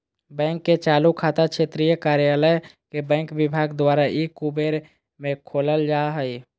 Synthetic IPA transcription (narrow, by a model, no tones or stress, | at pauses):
bɛ̃ːŋkːet͡ʃaːlukʰaːt̪akʃʰet̪ɾijəkaːɾjaːləjkebɛ̃ːŋkʋɪbʱaːɡd̪waːɾaikubeɾ | mẽkʰoːləld͡ʒaːɦəi